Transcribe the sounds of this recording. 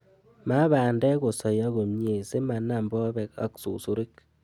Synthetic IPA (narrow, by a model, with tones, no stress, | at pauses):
ma˦baː˨ndɛ˦ko˨sa˨ja˦ɣo˨mɲe˨se˦ma˨na˨mbɔ˦bɛ˦ka̰˨ksṵ˨su˦ɾi˦k